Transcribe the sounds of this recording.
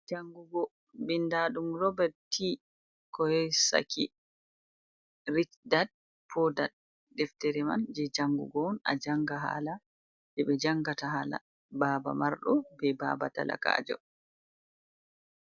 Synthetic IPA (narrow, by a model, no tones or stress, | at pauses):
d͡ʒaŋɡuɡɔ | bindaɗumɾɔbɛɾtʰːi | kɔjɔsa̰kʰi | ɾit͡ʃdad̚ | pʰɔdad̚ | dɛftɛɾɛma̰nd͡ʒɛd͡ʒaŋɡṵɡɔna̰d͡ʒaŋɡaɦa̰ːla | bɛɓɛd͡ʒaŋɡataɦala̰ | baːba̰maɾɗɔbɛba̰ːba̰ta̰la̰ka̰ːd͡ʒɔ̰